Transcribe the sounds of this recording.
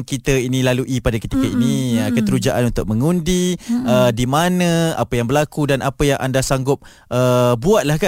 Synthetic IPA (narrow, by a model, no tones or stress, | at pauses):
ŋkit̪əinĩlaluʔipadakət̪ikəiniəkət̪əɾud͡ʒaʔanunt̪ʊk̚məŋundiədimanə̃a̰pəjaŋbəlakudanapəjaŋʔa̰ndasaŋɡʊp̚ | ʔəbuat̪̚lahka